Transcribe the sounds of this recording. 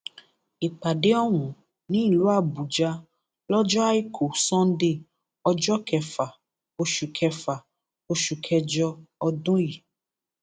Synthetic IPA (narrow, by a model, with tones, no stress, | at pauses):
e˨k͡pa˨ɖe˦ɔ˦ŋũ˨ | nĩ˦˨lu˦a˦˨bu˨d͡ʒa˦ | lɔ˦d͡ʒɔ˦a˦i˦kʰo˨sɔ̃˦n˦ɖe˦ | ɔ˦d͡ʒɔ˦kʰɛ˨fa˨ | o˦ʃu˨kʰɛ˧fa˨ | o˦ʃu˨kʰɛ˧d͡ʒɔ˦ɔ˦dõ˦ji˨